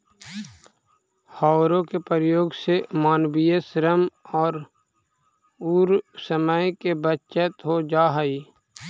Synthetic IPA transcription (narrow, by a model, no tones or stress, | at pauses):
hɔːɾõkepəɾjoːɡsemaːnbijəsɾəmɔːɾ | uːɾsəməjkebət͡ʃət̪ɦod͡ʒaːɦəiː